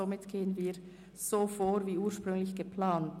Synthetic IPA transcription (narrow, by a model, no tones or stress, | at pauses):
omɪtɡ̥eːənviː | z̥oːfoːɾviːʔuːɐʃpʁ̥ʏŋlɪçɡ̥əpʰlaːnt